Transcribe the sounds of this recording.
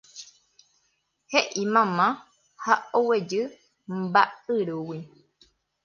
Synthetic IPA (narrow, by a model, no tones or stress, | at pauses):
heʔimãmã | haowed͡ʒɨ | mbaɨɾuwi